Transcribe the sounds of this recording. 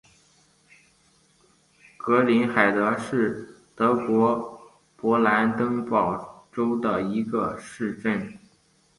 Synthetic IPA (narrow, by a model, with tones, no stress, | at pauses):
kɤ˧˥li˧˥nxa˨˩ɪd̪ə˧˥ʂɻ̩˥˩t̪ɤ˧˥kwɔ˧˥ | pwɔ˧˥la˧˥nt̪ɤ˥ŋpɑ˨˩ʊʈ͡ʂo˥ʊd̪ə˨˩i˧˥ɡə˧ʂɻ̩˥˧ʈ͡ʂə˥˩n